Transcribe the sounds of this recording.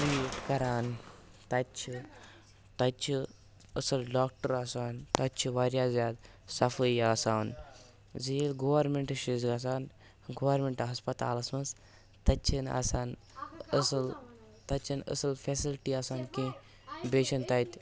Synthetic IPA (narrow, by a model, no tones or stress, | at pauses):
ijuʈkɐɾaːnt̪ɐt͡ʃʰi | t̪ɐt͡ʃʰi | əsɐlɖaːk̚ʈəɾaːsaːnt̪ɐt͡ʃʰiʋaɾjaːzaːd̪ | sɐfəjaːsaːn | zijilɡoːʋɐɾmeɳʈɨʃizɡɐs̬aːn | ɡoʋɐɾmeɳʈɦɐspɐt̪a̰ːlɐsmɐns | t̪ɐt͡ʃʰina̰saːn | əsɐl | t̪ɐt͡ʃʰinə̰sɨlfesilʈiaːsaːnkẽ | beːʃɐnt̪ɐjt̪ʲ